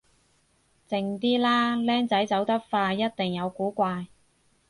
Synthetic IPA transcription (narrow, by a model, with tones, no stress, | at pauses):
t͡sɪ˧ŋt̪iː˥laː˥lɛː˥ŋt͡sɐ˨˥jt͡sɐ˨˥wt̪ɐ˥k̚faː˧jɐ˥t̚t̪ɪ˨ŋjɐ˨˧wkuː˨˥kʷaː˧j